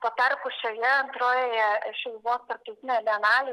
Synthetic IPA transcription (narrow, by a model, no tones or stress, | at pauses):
pɐt̪ɐɾkʊʃʲoːjɛɐnt̪ɾoːjoːjɛʃʲɛlʋoːst̪ɐrp̚t̪ɐʊt̪ʲɪnʲɛlʲɛnɑːlʲi